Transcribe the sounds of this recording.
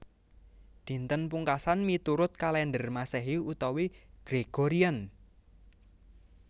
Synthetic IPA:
d̪̥i̤nt̪ənpuŋkasanmit̪uɾʊt̪̚kalɛndərmasɛɦiut̪ɔwiɡ̥ɾeɡ̥oɾian

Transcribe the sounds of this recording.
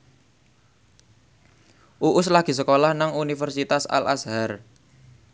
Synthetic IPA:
ʔuʔʊslaɡ̥i̤səkolahnaŋunifərsit̪asa̰lasɦar

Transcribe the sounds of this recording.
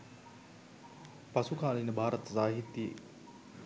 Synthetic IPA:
pɐsukaːlinəbʱaːɾət̪zaːɦit̪ːjḛ

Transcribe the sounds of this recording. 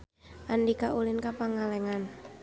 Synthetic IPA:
ʔandikaʔulɪnkapaŋalɛŋan

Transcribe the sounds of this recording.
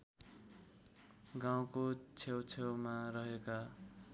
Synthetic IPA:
ɡaw̃kot͡sʰewt͡sʰewmaɾʌɦeka

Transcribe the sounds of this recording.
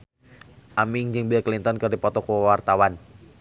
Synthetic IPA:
ʔamɪŋd͡ʒɨŋbiaklint̪ɔnkɨrdipɔt̪ɔkuwart̪awan

